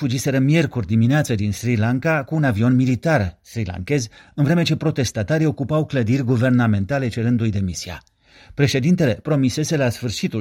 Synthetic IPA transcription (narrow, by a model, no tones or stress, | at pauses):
fud͡ʒise̞ɾəmje̞rkurʲd̪imineat̪səd̪insɾilaŋkakuːnavio̞nmilit̪arsɾila̰ŋke̞zɨnvɾe̞me̞t͡ʃe̞pɾo̞t̪e̞st̪at̪aɾio̞kupawkləd̪irʲɡuve̞rname̞nt̪ale̞t͡ʃe̞ɾɨnd̪ujd̪e̞misia̰ | pɾe̞ʃe̞d̪int̪e̞le̞pɾo̞mise̞se̞lasfɨrʃit̪u